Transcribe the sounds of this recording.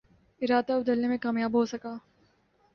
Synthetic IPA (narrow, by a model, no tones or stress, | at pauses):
ɪɾaːd̪aʊbd̪əlnemẽkaːmjaːbɦosɐkaː